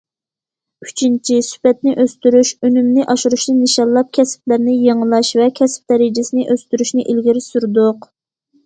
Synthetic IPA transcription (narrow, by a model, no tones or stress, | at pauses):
yt͡ʃʰint͡ʃʰisy̥pɛt̪nɪʔøst̪yɾyʃønymnɪʔɑʃuɾuʃnɨniʃɑlˠːɑp̚kʲʰɛsp̚læɾnɪjeŋəlˠɑʃvɛkʲʰɛsp̚d̪ɛɾɪd͡ʒɪsɪnɪʔøst̪yɾyʃnɪʔilɡʲiɾɪsuɾd̪ʊq